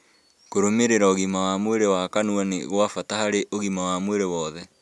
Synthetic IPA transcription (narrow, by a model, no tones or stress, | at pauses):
koɾomeɾeɾaoɣimawamweɾewakanuaneɣwafatahaɾeʔoɣimawamweɾewɔːðɛ